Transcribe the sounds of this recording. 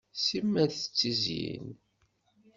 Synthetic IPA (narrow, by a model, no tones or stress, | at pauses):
simːæðθət͡sːizjḭn